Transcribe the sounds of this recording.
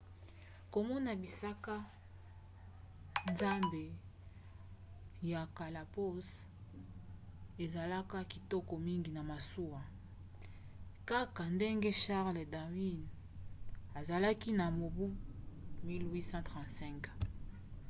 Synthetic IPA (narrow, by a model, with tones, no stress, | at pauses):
ko˨mɔ˦na˨bi˨sa˦ka˦ | nza˦mbe˨ | ja˨ka˨la˨po˦s | e˨za˨la˦ka˦ki˨tɔ˦kɔ˨mi˦ŋɡi˨na˨ma˨su˦wa˨ | ka˦ka˨nde˦ŋɡe˦ʃa˦ʁle˨da˨wi˦n | a˨za˨la˦ki˦na˨mo˨bu˦mi˦lwi˦sã˦tʁã˨tsɛ̃˦k